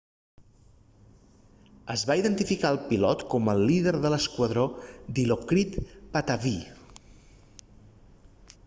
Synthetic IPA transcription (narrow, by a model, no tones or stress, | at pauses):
əzβaiðənt̪ifikaəlˠpilɔt̪kɔməlːiðəɾðələskwəðɾod̪ilokɾit̪pat̪avi